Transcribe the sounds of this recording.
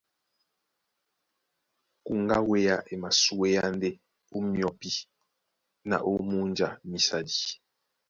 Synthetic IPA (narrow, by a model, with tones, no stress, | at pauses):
ku˨ŋɡa˦we˦ja˦ʔe˨ma˨su˦e˦ja˦n˦de˦ | u˦mjɔ˨pi˦ | na̰˨ʔo˦mu˦nd͡ʒa˨mi˨sa˨di˨